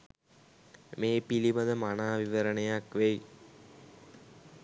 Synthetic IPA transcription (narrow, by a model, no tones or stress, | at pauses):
meːpiliməd̪əmanaːʋiʋəɾənəjakʋej